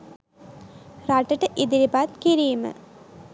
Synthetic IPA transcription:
raʈəʈəʔid̪iɾipat̪kiɾiːmə̰

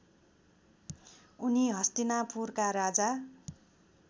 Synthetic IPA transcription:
uniɦʌst̪inapurkaɾad͡za

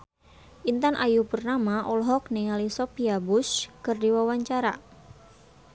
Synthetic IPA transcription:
ʔint̪anʔajubərnamaʔɔlɦɔk̚niŋalisɔpiabuskɨrdiwawaɲt͡ʃaɾa

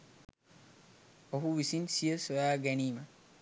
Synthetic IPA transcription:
oɦuʋisinsijəsɐjaːɡæniːmə

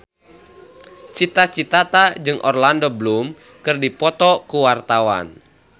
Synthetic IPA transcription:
t͡ʃit̪at͡ʃit̪at̪ad͡ʒɨŋʔɔrlandoblum | kɨrdipɔt̪ɔkuwart̪awa̰n

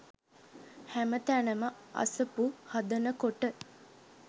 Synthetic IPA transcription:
hæmət̪ænəməɐ̰səpuhad̪ənəkoʈə

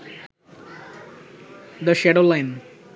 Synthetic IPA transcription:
d̪əʃɛɖolaɪ̃n

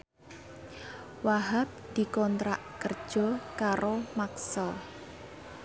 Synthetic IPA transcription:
waɦap̚d̪̥i̤kɔnt̪ɾaʔkərd̥ʒ̥ɔ̤kaɾomaksəl

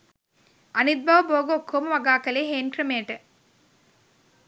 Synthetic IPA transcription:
ɐnid̪̚bʱɐʋɐboːɡɐokʰːoːmɐʋɐɡaːkɐleːɦeːnkɾɐmeːʈɨ

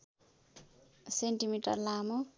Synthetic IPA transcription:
seɳʈimiʈʌrlamo

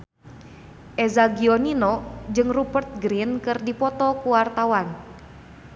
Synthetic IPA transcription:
ʔɛzaɡiɔninɔd͡ʒɨŋrupərt̪̚ɡɾinkɨrdipɔt̪ɔkuwart̪awan

